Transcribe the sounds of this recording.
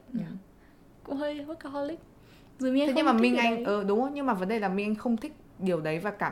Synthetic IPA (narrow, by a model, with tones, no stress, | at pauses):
ɲa˨˩ | kʊ̰˧˥ŋ͡mɦəː˧jvə˦˥t̚ka˨˧˩ɦɔ˧lï˦˥k̚ | zɨ˨˩i˧ŋʰ˨˦ɲɨ˧maː˨˩mï˧ŋʔa˧jŋʔəː˨˩ɗʊ˨˦ŋ͡mjɲɨ˧ŋmaː˨˩və˨˦nɗə˨˩jlaː˨˩mï˧ŋ̟ʔa˧jŋ̟xə˧wŋ͡mt̪ʰï˦˥k̟̚ɗi˨˩əwɗə˨˦jvaː˨˩kaː˧˩